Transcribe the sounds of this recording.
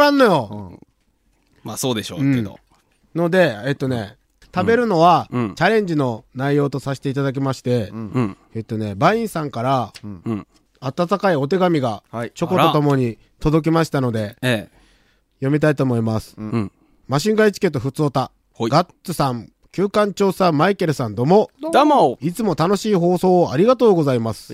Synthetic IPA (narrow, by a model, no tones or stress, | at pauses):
ɾãnːo̞jo̞ | masoːd̪eɕo̰ɯ̟̃o̰ | no̞d̪e̞ːt̪ːo̞ne̞ | t̪abe̞ɾɯ̟no̞βat͡ɕaɾẽ̞ɲ̟d͡ʑino̞naijo̞ːt̪o̞saɕi̥t̪e̞it̪ad̪ak̬ʲimaɕi̥t̪e̞ | et̪ːo̞ne̞baĩɰ̃sãŋkaɾa | at̪at̪akaio̞t̪e̞ɡamʲiɡat͡ɕo̞ko̞t̪ot̪o̞mo̞ɲ̟i | t̪o̞d̪o̞k̬ʲimaɕi̥t̪ano̞d̪e̞ | jo̞mʲit̪ait̪o̞ːmo̞imasɨ̥ | maɕ̬ĩŋɡait͡ɕi̥ke̞t̪ːo̞ɸɯ̟t͡sɨot̪a | ɡa | ɨsãŋ | kʲɨːkãɲt͡ɕo̞ːsãmmaike̞ɾɯ̟sãnd̪o̞mo̞ | it͡sɨmo̞t̪ano̞ɕiːɦo̞ːso̞ːaɾʲiɡat̪o̞ːɡo̞zaimasɨ̥